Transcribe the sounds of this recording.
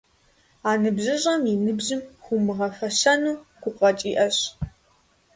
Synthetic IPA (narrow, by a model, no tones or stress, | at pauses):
aːnɨbʑɪʑʼɐminɨbʑɪmxʷumɨʁɐfɐɕɐnuːɡ̥ʷʊqɐt͡ʃʼiːʔɐɕ